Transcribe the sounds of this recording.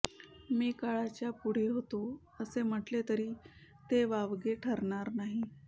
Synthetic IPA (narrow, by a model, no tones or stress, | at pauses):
miːkaɭat͡ɕjapuɽ̤eɦot̪o | əsem̤əʈlet̪əɾiː | t̪eʋaʋɡeʈʰəɾɳaɾnaɦi